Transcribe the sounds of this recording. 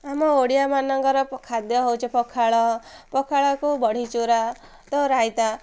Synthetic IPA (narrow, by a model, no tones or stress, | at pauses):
amɔoɽijamanɔŋkɔɾɔkʰad̪jɔɦowt͡ʃʰepɔkʰaɭɔpɔkʰaɭɔkubɔɽ̤it͡ʃuɾa | t̪oɾajt̪a